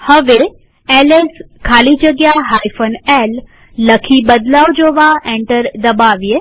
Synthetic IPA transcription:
həʋe | eleskʰaːlid͡ʒəɡjaɦaːjfʰənɛlː | əkʰibəd̪laːʋd͡ʒoːʋaẽɳʈəɾd̪əbaːʋie

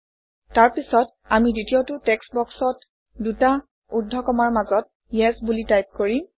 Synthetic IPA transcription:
taɹpisɔt | amiditiotʊtɛksbɔksɔt | duta | udʱːɔkɔmaɹmazɔt̚ | jɛsbulitajp̚koɹi

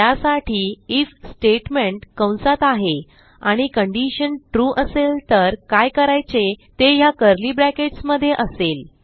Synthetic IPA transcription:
jasaʈʰiːit͡ssʈeʈmeɳʈkə̃w̃nsat̪aɦe | aɽ̃ikəɳɖiɕənʈɾuʔəselt̪əɾkajkəɾajt͡set̪ejakəɾliːbɾækeʈsməd̪ʱːjeʔəsel

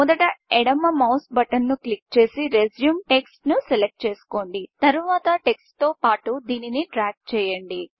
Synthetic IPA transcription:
mɔd̪ɐʈɐeɽɐmːɐmɐwsbɐʈɐnːuklik̚t͡ʃe̞ːsiɾed͡ʒjumʈe̞ksʈnuselek̚ʈ̚t͡ʃe̞ːsu̥ko̞ːɳɖit̪ɐɾuʋaːt̪ɐʈe̞ksʈt̪o̞ːpaːʈud̪iːniniɖɾaːɡ̚t͡ʃɛːjɐɳɖi

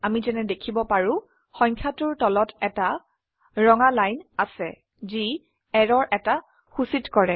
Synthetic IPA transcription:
amizɛnɛdekʰibɔpaɹʊ̃ | xɔ̃jŋkʰjatʊɹtɔlɔtɛta | ɹɔŋalajnasɛ | zi | ɛɹɔɹʔɛta | xusitkɔɹɛ

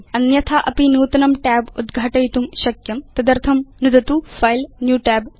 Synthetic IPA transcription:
ɐnjɐt̪ʰaʔɐpinuːt̪ɐnɐmʈɛːbud̪ɡʱaʈɐjt̪umʃɐkjɐmt̪ɐd̪ɐɾt̪ʰɐmnud̪ɐt̪ufɐjlnjuːʈɛːb

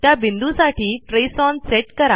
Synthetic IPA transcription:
t̪jabind̪usaʈiːʈɾesɔnseʈkəɾa

